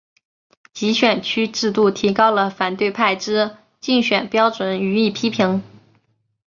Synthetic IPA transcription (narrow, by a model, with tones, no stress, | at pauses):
t͡ɕi˧˥ɕɥɛ˨˩nt͡ɕʰy˥ʈ͡ʂɻ̩˥˧t̪u˥˩t̪ʰi˧˥kɑ˥ʊlə˨fa˨˩nt̪we˥˧ɪpʰa˥˩ɪʈ͡ʂɻ̩˥ | t͡ɕi˥˩ŋɕɥɛ˨˩npjɑ˥ʊʈ͡ʂwə˧˥˦ny˧˥i˥˩pʰi˥pʰi˧˥ŋ